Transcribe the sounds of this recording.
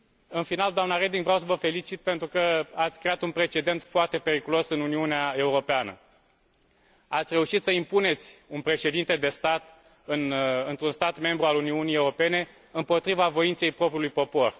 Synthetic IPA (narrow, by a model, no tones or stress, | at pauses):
ɨnfinald̪oamnaɾe̞d̪iŋɡvɾeaws̬əvəfe̞lit͡ʃit̪̚pe̞nt̪ɾukəat̪sʲkɾe̞at̪unpɾe̞t͡ʃe̞d̪e̞nt̪foart̪e̞pe̞ɾikulo̞sɨnuniuneae̞uɾo̞peanə̰ | at̪sʲre̞uʃit̪səimpune̞t̪sʲunpɾe̞ʃe̞d̪int̪e̞d̪e̞st̪at̪ | ɨnɨnt̪ɾunst̪at̪me̞mbɾualuniunijeuɾo̞pe̞ne̞ | ɨmpo̞t̪ɾivavo̞int̪se̞jpɾo̞pɾiulujpo̞po̞r